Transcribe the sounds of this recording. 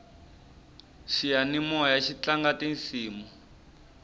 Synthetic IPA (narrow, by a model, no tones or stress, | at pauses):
ʃijanimɔjaʃit͡ɬaŋɡatinsiːmu